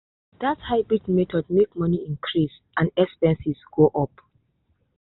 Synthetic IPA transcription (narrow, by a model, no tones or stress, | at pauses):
d̥athaɪbɹidmetʰɔd̚mekmɔniĩnkʰɹis | ʔãnɛkspɛ̃nsisɡ̥oʔɔp